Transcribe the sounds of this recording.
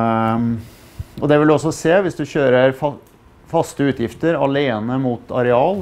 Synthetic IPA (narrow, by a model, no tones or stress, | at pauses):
ɔd̪ɛʋɪld̪ɔsːɔseːʋɪsd̪ʉçøːɾəɾfɑ | fɑst̪əʉːt̪jɪft̪əɾɑleːnəmuːt̪ɑ̰ɾɛɑːl